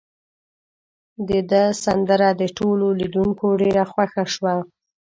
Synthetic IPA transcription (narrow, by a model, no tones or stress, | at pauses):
d̪əd̪əsand̪əɾad̪əʈololid̪uŋkoɖeɾaxwaxaʃwa